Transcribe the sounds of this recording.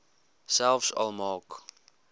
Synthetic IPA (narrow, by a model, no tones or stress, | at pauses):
sɛlfsɔ̰lˠmɑːk